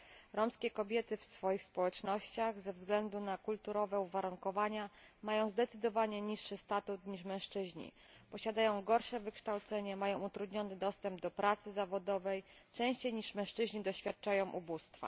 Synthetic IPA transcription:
ɾɔmskʲɛkɔbʲjɛt̪ɘfsfɔjixspɔwɛt͡ʂnɔɕt͡ɕaɣzɛvzɡlɛnd̪unakult̪uɾɔvɛuvaɾuŋkɔvaɲamajɔ̃w̃zd̪ɛt̪sɘd̪ɔvaɲɛɲiʂːɘst̪at̪ut̪ɲiʂmɛ̃w̃ʂt͡ʂɘʑɲḭ | pɔɕad̪ajɔ̃w̃ɡɔɾʂɛvɘkʂt̪awt̪sɛɲɛmajɔ̃w̃ut̪ɾud̪ɲɔnɘd̪ɔst̪ɛmb̚d̪ɔpɾat̪sɘzavɔd̪ɔvɛjt͡ʂɛ̃ɕt͡ɕejɲiʂmɛ̃ʂt͡ʂɘʑɲid̪ɔɕfʲat̪̚t͡ʂajɔ̃w̃ʔubust̪fa̰

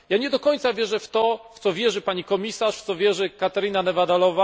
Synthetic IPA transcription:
jaɲɛd̪ɔkɔɲt̪savʲjɛʐɛft̪ɔft̪sɔvʲjɛʐɘpaɲikɔmʲisaʂft̪sɔvʲjɛʐɘkat̪ɛɾɘnanɛvad̪alɔva

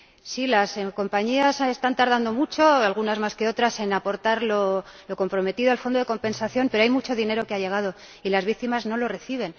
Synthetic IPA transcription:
silasko̞mpaɲiasest̪ant̪aɾð̞and̪o̞mut͡ʃo̞alɣunazmaske̞o̞t̪ɾase̞napo̞ɾt̪aɾlo̞lo̞ko̞mpɾo̞me̞t̪iðoalfo̞nd̪o̞ðe̞ko̞mpe̞nsaθjo̞mpe̞ɾoajmut͡ʃo̞ðine̞ɾo̞keaje̞ɣ̞að̞o̞ | ilazβik̚t̪imazno̞lo̞re̞θiβ̞e̞n

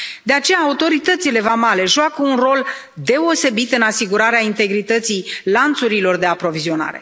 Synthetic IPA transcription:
d̪e̞at͡ʃe̞jaːut̪o̞ɾit̪ət̪sile̞vamale̞ʒuakəunro̞l | d̪e̞ose̞bit̪ɨnasiɡuɾaɾeaint̪e̞ɡɾit̪ət̪sijlant̪suɾilo̞rd̪e̞apɾo̞vizio̞na̰ɾe̞̰

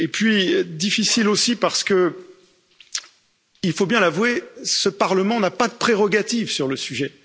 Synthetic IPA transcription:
epɥid̪ifisilosipaʁsə̥kə | ilfobjɛ̃lavwesəpaʁləmɑ̃napad̪əpχeʁɔɡat̪ivsyʁləsyʒɛ

